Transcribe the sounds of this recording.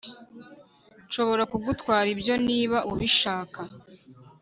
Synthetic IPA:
nʃo̞βo̞ɾakuɡutkwaːɾibjo̞niːβaʔuβiʃaːka

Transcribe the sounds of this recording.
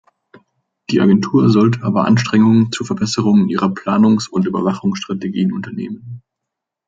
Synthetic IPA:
d̥iːʔa̰ɡɛntʰuːɐzɔltəaːbɐʔa̰nʃtʁ̥ɛŋʊŋənt͡suːfɛɐbɛsəʁ̞ʊŋənʔiːʁɐpʰl̥aːnʊŋsʊntyːbɐvaχʊŋsʃtʁ̥ateɡiːənʊntɐnḛːmən

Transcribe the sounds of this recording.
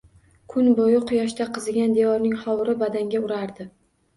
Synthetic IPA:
kʰʊnbojɪqʰʊjɒʃt̪aqʰɨzɪɡʲand̪evɒɾnɪŋχɒwɾɪbad̪aŋɡʲaʊɾaɾd̪ɪ

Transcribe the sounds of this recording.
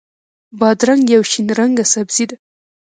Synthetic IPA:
bɑd̪ɾaŋɡjawʃinɾaŋɡasabzid̪a

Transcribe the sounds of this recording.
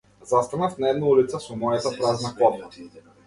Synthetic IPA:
zast̪anafnaɛd̪naulit̪sɛsɔmɔjat̪apɾaznakɔpa

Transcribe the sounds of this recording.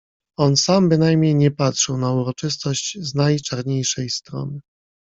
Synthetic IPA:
ɔnsambɘnajmɲejɲɛpatʂɘwnauɾɔt͡ʂɘst̪ɔɕt͡ɕznajt͡ʂaɾɲejʂɛjst̪ɾɔ̰nɘ

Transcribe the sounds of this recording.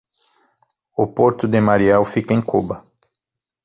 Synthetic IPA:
ʊpoɾt̪ʊd̪ɪmaɾiɛwfikɐẽj̃kobɐ

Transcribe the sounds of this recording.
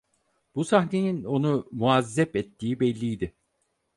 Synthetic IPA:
b̥usahnenino̞numuazːɛpɛt̪ːiːibɛlʲːijd̪ɪ

